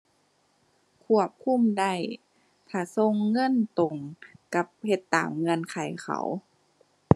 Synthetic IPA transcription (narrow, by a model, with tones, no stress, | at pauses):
kʰu˧˩əp̚kʰu˧˥˨mda˧˩j | k̪ʰaː˧˩so˧˨ŋːɤ˧˥˨nt̪o˨˩ŋka˧˦p̚he˧˦t̪ːaː˨˦mŋɤ˧˥˨nkʰa˨˩jxʰa̰˧˩˦w